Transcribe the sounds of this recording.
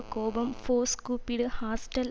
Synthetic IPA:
koːbɐmfoːskuːpiɽɨhaːsʈɐl

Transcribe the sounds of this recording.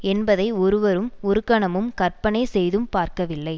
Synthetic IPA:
ɛnbɐðɐɪɔɾɯʋɐɾɯmʊɾɯkːɐɳɐmɯmkɐɾpɐɳɐɪsɛjðɯmpaːɾkɐʋɪlːɐɪ

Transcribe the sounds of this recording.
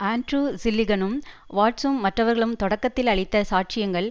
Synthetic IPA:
aːɳʈruːsɪlːɪɡɐnɯm | ʋaːʈsɯmːɐʈrɐʋɐɾɣɐɭɯmt̪ɔɽɐkːɐt̪ːɪlɐɭɪt̪ːɐsaːʈ̚t͡ʃɪjɐŋɡɐɭ

